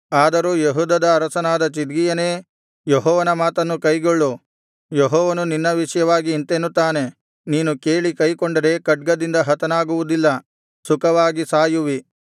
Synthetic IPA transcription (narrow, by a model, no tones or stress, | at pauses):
aːd̪ɐɾuːjeɦuːd̪ɐd̪ɐːɾɐsɐnaːd̪ɐt͡ʃid̪ɡijɐne̞ː | jɔɦɔːʋɐnɐmaːt̪ɐnːukɐjɡoɭːu | jɔɦɔːʋɐnuninːɐʋiʂɐjɐʋaːɡiːnt̪enːut̪ːaːne̞ | niːnuke̞ːɭikɐjkɔɳɖɐɾe̞kɐʈ̚ɡɐd̪ind̪ɐɦɐt̪ɐnaːɡuʋud̪ilːɐ | sukɐʋaːɡisaːjuʋi